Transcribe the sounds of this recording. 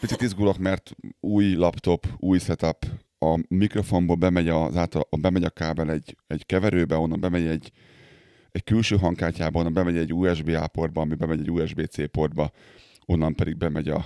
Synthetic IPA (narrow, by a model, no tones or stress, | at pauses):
pit̪sit̪izɡulɒkmɛrt̪uːjlɒpt̪o̞puːjsɛt̪ɒp | ɒmikro̞fo̞mboːlbɛmɛɟɒzaːlt̪ɒbɛmɛɟɒkaːbɛlɛɟɛɟkɛvɛɾøːbɛo̞nːɒmbɛmɛɟɛɟː | ɛckylʃøːɦɒŋkaːcːaːbɒo̞nːɒmbɛmɛɟɛɟːuːjɛʒbeːaːpo̞rd̪bɒɒmibɛmɛɟɛɟuːjɛʒbeːt̪seːpo̞rd̪̚bɒ | o̞nːɒmpɛd̪iɡ̚bɛmɛɟɒ̰